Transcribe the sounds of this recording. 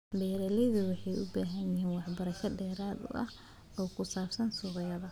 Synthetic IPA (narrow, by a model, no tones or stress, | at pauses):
bɛːɾɛlɪðʊwɑħɑjʔʊbaːɦɐnjɪɦiːnwɑħbɐɾɐʃɐɖɛːɾaːd̪ʊ̰ʔɐh | ɔːkʰʊsaːbsɐnsʊʁɪjɐðɐ